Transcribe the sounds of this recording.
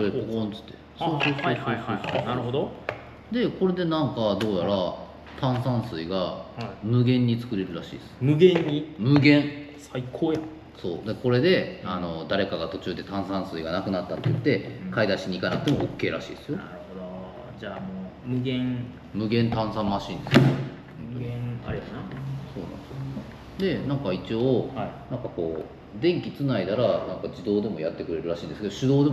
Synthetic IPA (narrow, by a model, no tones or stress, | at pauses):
soekokõnt͡sɨ̥t̪ːe̞ | soːsoaaihahainaɾɯ̟ɦod̪o | d̪e̞ko̞ɾe̞d̪e̞nãŋkad̪o̞ːjaɾa | t̪ãɰ̃sãɰ̃sɨiɡahaimɯ̟ɡẽ̞ɲ̟ːit͡sɨ̥kɯ̟ɾe̞ɾɯ̟ɾaɕḭːd̪esɨ̥mɯ̟ɡẽɲːimɯ̟ɡẽ̞ɴsaikʰoːja | so̞̰ːd̪eko̞ɾe̞d̪e̞ano̞d̪aɾe̞kaɡat̪o̞t͡ɕɨːd̪e̞t̪ãɰ̃sãɰ̃sɨiɡanakɯ̟nat̪ːat̪ːejɯ̟t̪ːe̞kaid̪aɕiɲ̟ikanakɯt̪emookːe̞ːɾa̰ɕḭːd̪esɨjo̞aɾɯ̟hod̪o | d͡ʑaːmoː | mɯ̟ɡẽŋ | mɯ̟ɡẽ̞nt̪ãɰ̃sãmːaɕĩːnd̪e̞s | ɯ̃naɾianaso̞ːnã̰nd̪esjo | d̪e̞nãŋkait͡ɕioːinãŋkako̞ː | d̪ẽ̞ŋkʲit͡sɨnaid̪aɾanãŋkad͡ʑid̪o̞ːd̪e̞mo̞jat̪ːe̞kɯ̟ɾe̞ɾɯ̟ɾaɕĩːnd̪esked̪oɕɨd̪o̞ːd̪e